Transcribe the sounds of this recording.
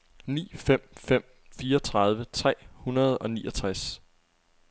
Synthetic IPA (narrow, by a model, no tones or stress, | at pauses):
nḭːfem̰fem̰ | fiːɐɒt͡sʰʁɑ̈ð̞ˠʋət͡sʰʁɛ̰ːhunɐð̞ˠɒ̽niːʔɒt͡sʰʁas